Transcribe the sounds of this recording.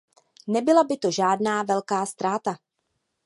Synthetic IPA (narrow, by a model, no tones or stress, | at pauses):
nɛbɪlabɪt̪o̞ʒaːdnaːvɛlkaːst̪ɾaːt̪a